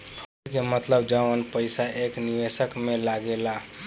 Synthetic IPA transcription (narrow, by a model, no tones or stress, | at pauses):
pʰ | kemət̪ləbd͡ʒaʋənpəɪsaʔekniʋesəkmelaɡela